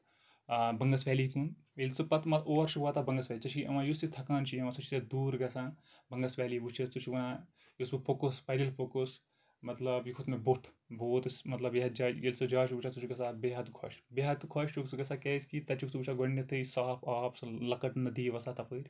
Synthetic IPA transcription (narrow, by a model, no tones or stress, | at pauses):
bɐŋɡɐsʋʲɛːlikun | elsupɐt̪mɐoːɾʃuʋaːt̪abɐŋɡɐsʋʲaːlit͡ʃɐt͡ʃʰiʔɐ̰ʋãːjusit̪ʰɐkaːnt͡ʃʰiɐmãːsɐt͡ʃʰi̥t̪ɐd̪uːɾɡɐsãː | bɐŋɡɐsʋʲaːliːʋut͡ʃʰɐst͡sut͡ʃʰuʋaã | jusɨpokuspɐɾilpokos | mɐt̪lɐbjukʰut̪meboʈʰ | boːt̪sʲmɐt̪lɐbeɦɐd͡ʒaːjelsod͡ʒaːʃuʋut͡ʃʰat͡sut͡ʃʰiɡɐsaːbeːɦɐt̪kʰɐ̰ʃbeɦɐt̪kʰɐʃt͡ʃuksuɡɐsaːkeːskit̪ɐt͡ʃuksubut͡ʃʰaɡɐɳːɐt̪ʰɨjsaːpaːpsɐlɐkɐʈnɐd̪iːʋɐsaːt̪ɐpɨɾʲ